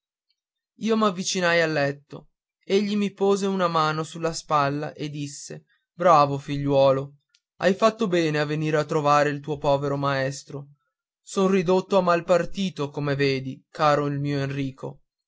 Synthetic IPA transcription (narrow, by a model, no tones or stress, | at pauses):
iːomavːit͡ʃinajalːɛt̪ːo̰ | eʎːimipoːzeunamaːnosulːaspalːa̰ʔed̪ːisːe | bɾaːvofiʎːwɔːlo | a̰jfat̪ːobɛːneavːeniːɾat̪ːɾovaːɾeilt̪uːopɔːveɾomaɛst̪ɾo | sonrid̪ot̪ːoamːalpart̪iːt̪okomeveːd̪ikaːɾoilmiːoenriːko̰